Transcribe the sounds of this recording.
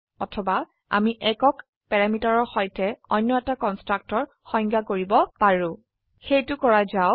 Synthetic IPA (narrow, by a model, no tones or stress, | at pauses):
ɔtʰɔba | a̰miʔɛkɔk | pɛɹamitaɹɔɹxɔjtɛɔjnːɔɛtakɔnstɹak̚tɔɹ | xɔj̃ŋɡakoɹibɔpaɹʊ̃ | xejtʊkɔɹazaʊ